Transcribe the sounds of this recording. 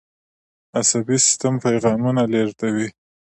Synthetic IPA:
asabisɪ̥st̪ampajɣɑmunaleɾt̪awi

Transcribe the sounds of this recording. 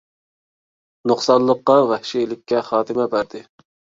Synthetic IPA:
noχsɑnlˠəqːɑvɛhʃijlɪkʲʰːɛχɑːt̪ɨmɛbæɾd̪ɪ

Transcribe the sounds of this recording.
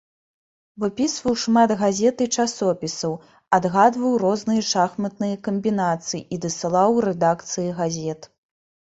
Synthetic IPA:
vɨpʲisvɐwʂmad̪ɣazʲɛt̪ɨt͡ʂasɔpʲisɐw | ad̪ɣad̪vɐwɾɔznɨjɐʂaxmɐt̪nɨjɐkɐmʲbʲinat̪sɨjiʔid̪ɐsɨlˠawɾɛd̪akt̪sɨjiɣazʲɛt̪

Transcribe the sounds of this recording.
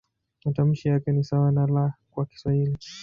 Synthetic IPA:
matam̩ʃijakɛnisawanalakwaki̥swahili

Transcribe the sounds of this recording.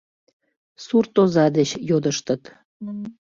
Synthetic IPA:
surt̪ozɑd̪et͡ɕjod̪əʃt̪ət̪

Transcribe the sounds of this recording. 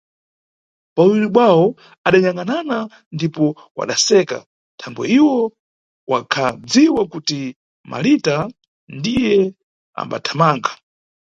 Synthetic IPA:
pauwiɾiɓwawɔ | aɗaɲaŋanana | ndipɔ | wa̰ɗasɛka̰ | tʰaŋɡwɛ̰iwɔ | wakʰad͡ziwakuti | mʔa̰lita | ndijɛ | a̰mba̰tʰamaːŋɡa

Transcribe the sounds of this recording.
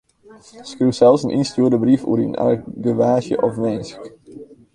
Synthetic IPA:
skruwsɛlˠsənʔḭnstuːrdəbrifṵɾina̰ɡəʋaːʒjə̰ʔɔfmɛjnsk

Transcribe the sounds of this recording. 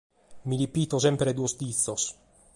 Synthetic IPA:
milipiːt̪osɛmpɾed̪uːost̪it̪sːos

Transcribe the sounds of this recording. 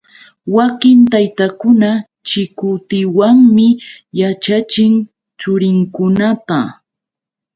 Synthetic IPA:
wakɪnt̪ajt̪akʊna | t͡ʃɪkʊt̪ɪwaŋmɪ | jat͡ʃat͡ʃɪŋ | t͡ʃʊɾɪŋkʊnat̪a

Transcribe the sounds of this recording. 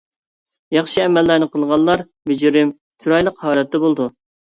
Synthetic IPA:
jɑχʃiɛmɛlːænɨqʰəlˠʁɑlˠːɑɾ | myd͡ʒɾɪm | t̪ʰuɾɑjlˠəqhɑːlɛt̪ːɛbolˠd̪u

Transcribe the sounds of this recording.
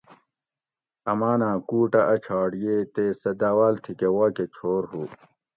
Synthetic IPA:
ɐmaːnãːkuːʈɐʔɐt͡ɕʰaːɽijeːt̪eːsɐd̪aːwaːlt̪ʰikewaːket͡ɕʰoːɾɦuː

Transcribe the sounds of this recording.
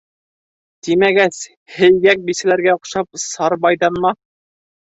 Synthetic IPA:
t̪imæɡæs | hɘ̆jɡæk̚bisɘ̆læɾɡæŏqʃɑp̚sɑɾbɑjdɑnmɑ

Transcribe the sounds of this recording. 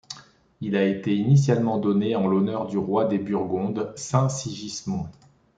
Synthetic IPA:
ilaet̪einis̬jalmɑ̃d̪ɔneɑ̃lɔnœʁd̪yʁwad̪ebyʁɡɔ̃d̪sɛ̃siʒismɔ̃

